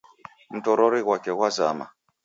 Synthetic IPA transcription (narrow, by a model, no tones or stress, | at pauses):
m̩tɔɾɔɾiɣwakɛɣwaza̰ma̰